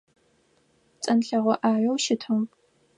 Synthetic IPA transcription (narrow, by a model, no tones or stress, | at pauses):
t͡sʼɐnɬɐʁʷɔʔaːjɐwʃɪtʰɨw